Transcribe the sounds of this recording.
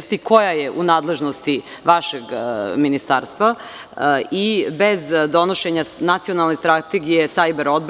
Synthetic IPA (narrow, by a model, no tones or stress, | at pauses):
st̪iko̞jajeʔunaːd̪le̞ʒnost̪iʋaʃeɡminist̪aːɾst̪ʋa | ibezd̪o̞noʃeɲanat̪sijo̞nalˠnest̪ɾat̪eɡijesajbeɾod̪b